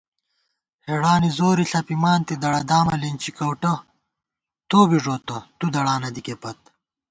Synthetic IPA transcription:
heɽaːnizoːɾiɬɐpimaːnt̪id̪ɐɽɐd̪aːmɐlint͡ɕikɐwʈɐ | t̪oːbiʐoːt̪ɐt̪ud̪ɐɽaːnɐd̪ikepɐt̪̚

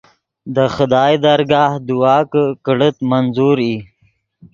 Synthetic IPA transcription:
d̪əxʊd̪ɑːjd̪aɾɡɑːhd̪uwɑːkəkɽət̪manzuɾi

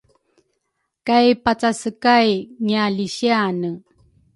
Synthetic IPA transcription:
kajpat͡sasəkajŋialiɕianə

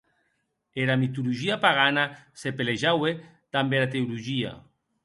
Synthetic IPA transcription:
eɾamit̪uluʒiapaɣanasepeleʒawe | t̪ambeɾat̪euluʒia̰

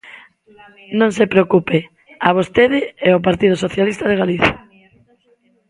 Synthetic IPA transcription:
nõŋsepɾeokupe | aβ̞ost̪eðɪɛop̬aɾt̪ið̞ʊsoθjalist̪aðeɣaliθja

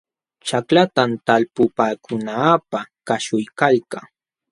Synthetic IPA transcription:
t͡ʃaklat̪amt̪alpʊpaːkʊnaːpakaʃʊjkalkaŋ

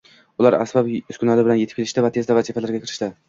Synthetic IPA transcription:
ʊlaɾa̰sbapʊskʰʊnalɪbɪlanjet̪ʰɪ̥p̚kʰʲelɪʃt̪avat̪ʰe̞zd̪avazifalaɾɡʲakʰʲɪɾɪ̥ʃt̪ɪ

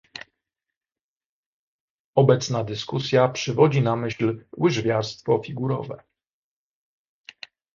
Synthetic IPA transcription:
ɔbɛt̪snad̪ɘskusʲjapʂɘvɔd͡ʑinamɘɕlwɘʐvʲjaɾst̪fɔfʲiɡuɾɔ̰vɛ̰

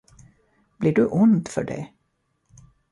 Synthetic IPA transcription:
b̥liːɖɵʔʊnd̪fœ̰ɖɛ̰

